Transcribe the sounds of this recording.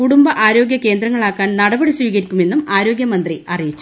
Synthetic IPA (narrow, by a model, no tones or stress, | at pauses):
kuɽumbɐʔaːɾo̞ːɡjɐke̞ːnd̪rɐŋːɐɭaːkːaːnnɐɽɐbɐɽisʋiːɣɐɾikʲːume̞nːumaːɾo̞ːɡjɐmɐnd̪riɐrijit͡ɕːu